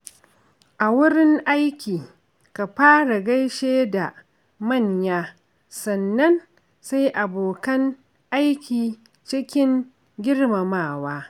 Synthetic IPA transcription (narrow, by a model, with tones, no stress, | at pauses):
ʔa˨wʊ˦ɽɪ˦ŋʔa˦jkʲiː˨ | ka˨ɸaː˦ɽa˨ɡɐ˦jʃeː˦da˨ | mɐ˦˨ɲjaː˦ | sɐ˨nːɐ˦n | sa˦jʔa˨boː˨kɐ˦ŋ | ʔa˦jkʲiː˨ | t͡ʃɪ˦kʲɪ˦ŋ | ɡʲɪ˦ɽma˨maː˦˨waː˦